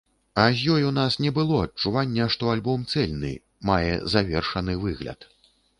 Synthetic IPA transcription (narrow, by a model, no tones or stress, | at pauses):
azʲjɔjunasnʲɛbɨlˠɔɐt̚t͡ʂuvanʲːɛʂt̪ɔalʲbɔmt̪sɛlʲnɨ̰ | majɛ̰zavʲɛrʂɐnɨvɨɣlʲɐ̰t̪